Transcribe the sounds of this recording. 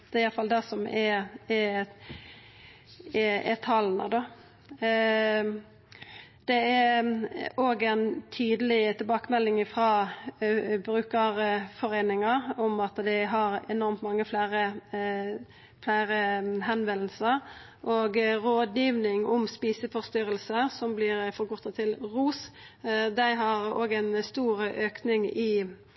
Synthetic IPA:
d̪̥ɛɪjɑlfɑld̪ɛsɔmɛɛ | ɛɛt̪ʰɑlːnə̰d̪o | d̪̥ɛæɾ | oɡɛnt̪ʰyːd̪əlɪt̪ʰɪlbɑːkəmɛlːɪŋɪfɾɑː | bɾʉːkəɾfɔɾeːnɪŋɑɾʊmɑt̪d̪ɛɦɑɾɛnɔɾmt̪mɑŋːəflæːɾə | flæɪɾəɦɛnʋɛll̩sə | ʔoːɡɾoːd̪jiːʋnɪŋʊmspiːsəfɔʁst̪ʏɾəlsəɾsɔmblɪːɾfɔɾɡʊt̪ːɑt̪ʰɪlɾuːs | d̪æɪɦɑɾoːɡæɪnst̪uːɾʔøːknɪŋɪ

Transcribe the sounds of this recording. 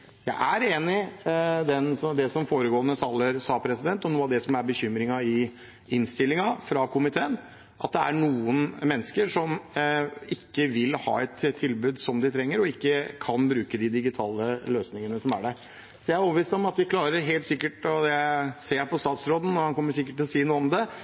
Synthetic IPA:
jæ̰ɪʔæɾeːnɪd̪ɛnsɔd̪ɛsɔmfoːɾəɡoːənəsɑlːəɾsɑːpʰɾɛsɪd̪ɛnt̪ːɔnuːɑd̪ɛsɔmæɾbəçʏmɾɪŋɑɪ | ɪnst̪ɪlːɪŋɑfɾɑkʰʊmɪt̪ʰeːən | ʔɑ̰t̪̚d̪ɛæ̰ɳuːənmɛnːəskəʂɔm | ɪkːəʋɪlhɑ̰ːɛt̪t̪ʰːɪlbʉːd̪sɔmd̪ɪt̪ʰɾɛŋːəɾɔɪkːəkʰɑnbɾʉːkəd̪ɪd̪ɪɡɪt̪ʰɑːləløːsnɪŋənəsɔmæ̰ɖɛ | sɔjæɪæɾɔpːəʋiːst̪ɔmɑt̪ʋɪkʰlɑːɾəɾɦeːlt̪sɪkːəʈɔd̪ɛseːpɔst̪ɑːt̪sɾoːd̪ən̩nːɔɾhɑnkɔmːəsɪkːəʈ̪ːɪlɔsiːnuːəɔmd̪ɛ

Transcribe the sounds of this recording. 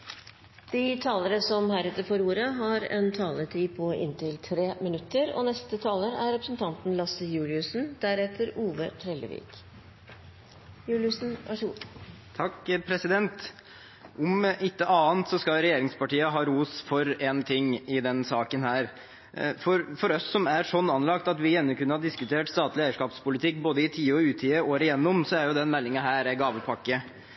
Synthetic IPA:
d̪̥ɪt̪ʰɑːləɾəsɔmhæːɾɛt̪ːəɾfɔɾuːɾəɦɑɾɛ̰nt̪ʰɑːlət̪ʰiːpʰɔɪ̰nt̪ɪlt̪ʰɾeːmɪnʉt̪ːəɾɔ̰nɛst̪ət̪ʰɑːləɾæɾɾɛpɾəsnt̪ʰɑnt̪n̩lɑsəjʉːlɪʉsn̩d̪̥æɾɛt̪ʰːəɾuːʋət̪ʰɾɛlːə̰ʋḭːk | jʉːlɪʉsn̩ʋæʂ | t̪ʰɑkːpʰɾɛsɪd̪ɛnt̪ | ʔɔmʔɪt̪ːəʔɑːnt̪sɔskɑlɾɛjeːɾɪŋspɑʈiːəɦɑːɾuːsfɔɾent̪ʰɪŋːɪd̪ɛnsɑːkənhæːɾ | fɔɾfɔɾɔsːɔmæɾʂɔnːɑnlɑkt̪ɑt̪ʋɪjɛnːɔkʉnːəhɑd̪ɪskʉt̪ʰeːʈst̪ɑːt̪lɪeːəʂkɑːpspʊlɪt̪ʰɪkːboːd̪əɪt̪ʰiːɔʉːt̪ʰiːəoːɾəjɛnːʊmsɔæɾjʊd̪ɛnmɛlːɪŋɑɦæːɾɛɡɑːʋəpʰɑkːə

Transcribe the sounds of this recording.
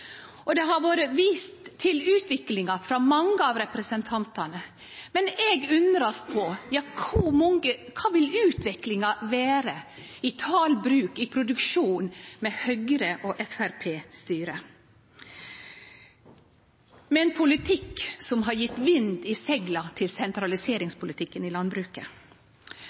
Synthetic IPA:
ɔd̪ɛɦɑʋoːɾəʋiːst̪ʰːɪlʉːt̪ʋɪklɪŋɑfɾɑmɑŋːəɑːʋɾɛpɾɛsənt̪ʰɑnt̪ɑnə | mɛnɛɡʉnd̪ɾɑspʰɔjɑːkʰumɔŋəkʰɑːʋɪlʉːt̪ʋɪklɪŋɑʋæːɾə | ɪt̪ʰɑːlbɾʉːkɪpʰɾʊd̪ʉkʃuːnmɛhœɡɾəʔoːʔɛfæɾpʰeːst̪yːɾə | mɛɛːnpʰʊlɪt̪ʰɪksɔmɦɑɾjɪt̪ːʋɪnd̪ɪsɛɡlɑt̪ʰɪlsɛnt̪ɾɑlɪseːɾɪŋspʰʊlɪt̪ʰɪkːənɪlɑnbɾʉːkə

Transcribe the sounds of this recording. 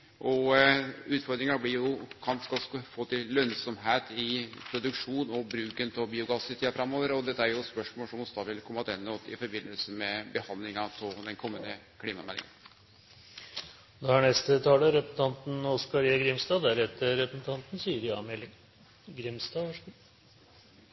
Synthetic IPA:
ʔɔ | ʉːt̪fɔɾd̪ɾɪŋɑblɪɾjʊkʰɑnskɑlsfoːt̪ʰɪlːœnsɔmɦeːt̪ɪpʰɾʊd̪ʉkʂuːnɔbɾʉːkənt̪ʰɔbiːʊɡɑsɪt̪ʰiːɑfɾɑmːoːʋəɾɔd̪ɛt̪ːəæɾjʊspœʂmoːlʂɔmɔsd̪ɑːʋɪlkʰɔmːɑt̪ɛnːɔt̪ɪfɔɾbɪnːəlsəmɛbəhɑnd̪lɪŋɑt̪ʰɪld̪ɛnkʰɔmːənə | kʰliːmɑmɛlɪ̰ŋə̰n | d̪ɛhɑɳɛst̪ət̪ʰɑːləɾɛpɾəsn̩ʰɑnt̪n̩ɔskɑɾiːɑɡɾɪmst̪ɑːæɾɛt̪ːəɾɛpɾəsn̩t̪ʰɑnt̪n̩siːəɾɪɑ̰mɛlːɪŋ | ɡɾɪmst̪ɑː

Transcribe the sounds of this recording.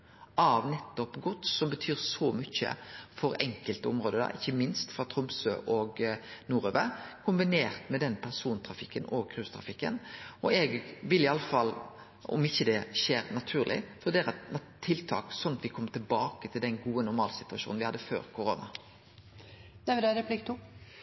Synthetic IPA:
ʔɑʋnɛt̪ːɔpɡɔt̪ːsɔmbət̪ʰyːɾsɔmʏçə̰fɔɾɛŋkəlt̪əʊmɾoːd̪əd̪ɑ̰ʔɪçːəmɪnst̪fɾɑt̪ʰɾʊmsøːʔɔɡnuːɾeːʋəkʰʊmbɪneːʁt̪mɛd̪ɛnpʰæʁsuːnt̪ʰɾɑfɪkːənɔɡkʰɾʉːst̪ʰɾɑ̰fɪkːə̰nɔɛɡʋɪlɪɑlːəfɑlː | ɔ̰mɪçːəd̪ɛʃeːɾnɑt̪ʰʉːʁlʔɪ̰fɔʁd̪ɛæɾɛnt̪ʰɪlt̪ʰɑ̰ːksɔnːɑt̪ʋɪkʰɔmːət̪ʰɪlbɑːkət̪ʰɪld̪ɛnɡuːənʊɾmɑːlsɪt̪ʉɑʃuːnn̩ʋɪhɑd̪ːəfø̰ːɾkʰʊɾoːnɑ | d̪ɛʋɪd̪ɛɾɛplɪk̚t̪u

